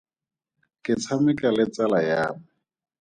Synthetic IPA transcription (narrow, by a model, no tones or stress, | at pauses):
kʼɪt͡sʰamɪkʼalɪt͡salajaːmʊ